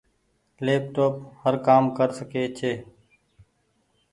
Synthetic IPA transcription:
leːp̚ʈoːphəɾkaːmkəɾsəkeːt͡ʃʰeː

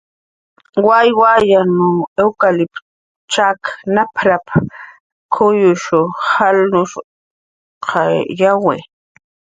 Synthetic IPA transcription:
wajwajanʊewkalɪp | t͡ʃaknapʰɾap | kʰʊjʊʃʊhalnʊʃ | qʰajawḛ

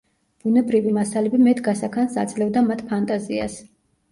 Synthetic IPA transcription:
b̥unɛbɾivimasalɛbimɛt̪ʰɡasakʰansat̪sʼlɛvd̪amat̪ʰpʰant̪ʼazia̰s

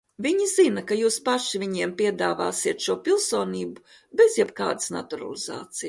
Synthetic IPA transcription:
viɲizinɐkajuːspaʃivʲiɲiɛmpiɛd̪aːva̰ːsiɛt̪ʃuɔpilˠsoːniːbu | bɛzjɛbka̰ːd̪ɨ̥sna̰t̪uɾa̰lˠiza̰ːt̪sij

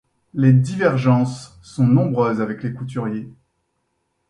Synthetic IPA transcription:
led̪ivɛʁʒɑ̃sː | ɔ̃nɔ̃bʁøːzavɛklekut̪̬yʁje

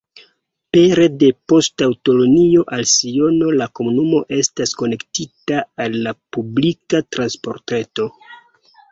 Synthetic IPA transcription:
pe̞ɾe̞de̞po̞stawto̞lo̞nio̞ʔalsio̞no̞lako̞munumo̞ʔe̞stasko̞ne̞ktitaalːapublikatɾanspo̞̰ɾte̞to̞

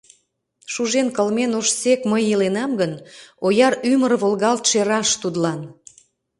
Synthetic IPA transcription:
ʃuʒenkəlmenoʃsekməjəlenɑmɡənojɑɾymərβolɣɑlt̪ʃeɾɑʃt̪ud̪lɑn

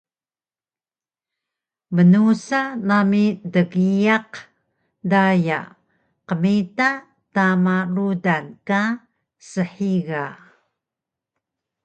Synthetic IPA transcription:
mənusanamidəɣijaq | daja̰ | qəmita | tamarudanka | səħiɣa

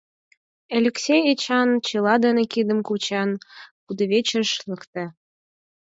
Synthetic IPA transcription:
elʲeksʲejet͡ɕɑnt͡ɕɤlɑd̪enĕkid̪ə̆mkut͡ɕɑnkud̪ə̆βʲet͡ɕəʃləkt̪æ

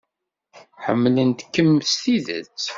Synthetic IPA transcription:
ħə̰mːlənt̪kːəmːst̪iðə̰t͡sː

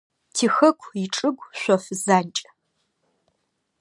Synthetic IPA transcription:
tʰiːxɐkʷʰɪʈ͡ʂʼɨɡʷɕʷɔfzaːnt͡ʃʼ

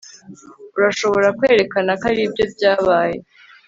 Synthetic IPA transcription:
uɾaʃo̞βo̞ɾakweːɾe̞kanakaɾiːbjo̞bɟaːβaːje̞

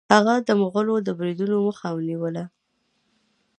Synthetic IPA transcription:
haɣad̪əmʊɣəlod̪əbɾid̪unoməxawniwəla

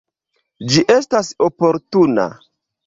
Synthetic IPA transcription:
d͡ʒiʔe̞stasopo̞ɾtuna̰

